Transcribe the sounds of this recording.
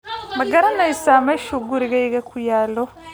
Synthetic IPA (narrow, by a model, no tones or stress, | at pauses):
mɐɡɐɾɐnɛjsaːmɛːʃuɡʊɾɪɣɛjɣɐkʰʊjaːlɔ